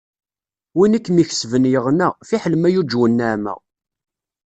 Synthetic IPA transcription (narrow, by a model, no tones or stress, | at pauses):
winikːmiç̥svənjəʁnæfiħəlmæjud͡ʒwənːæʕmæ̰